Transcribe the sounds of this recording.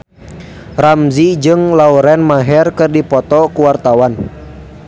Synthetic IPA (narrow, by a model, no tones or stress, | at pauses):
ramzid͡ʒɨŋlauɾɛnmaɦɛrkɨrdipɔt̪ɔkuwart̪awan